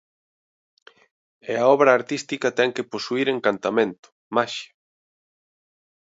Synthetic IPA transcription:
eaɔβɾɐːɾt̪ist̪ikɐt̪ɛŋkeposuiɾeŋkant̪amẽnt̪ʊ̥ | maʃa

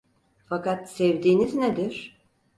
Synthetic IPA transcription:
fakat̪sɛvd̪iːnizned̪iɾ̥

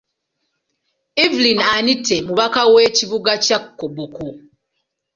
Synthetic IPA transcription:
ivlinanitʰːe̞muβakawe̞ciβuɡacakːoboku

